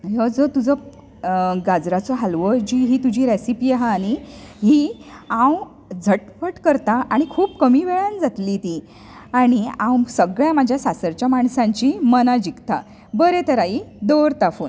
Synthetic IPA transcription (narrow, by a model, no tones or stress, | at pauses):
jəd͡zət̪ud͡zə | ɡad͡zɾat͡sɔɦalʋəd͡ʑiːɦiːt̪ud͡ʑʱiːɾesipijeɦaːɽ̃iɦiːãw | d͡zʱəʈpəʈkəɾt̪aʔaɽ̃ikʰuːpkəmiːʋeɭənd͡zat̪lit̪i | aɽ̃iãwsəɡɭjamad͡ʑʱjasasəɾt͡ɕjamaɳsãɲt͡ɕiːmənad͡ʑikt̪a̰ | bəɾet̪əɾaid̪oɾt̪afuːn